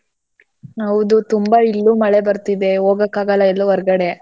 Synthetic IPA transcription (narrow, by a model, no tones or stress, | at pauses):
hɐwd̪ut̪umbɐilːumɐɭe̞bɐɾt̪id̪e̞oːɡɐkːaːɡɐlɐilːuʋɔɾɡɐɽe̞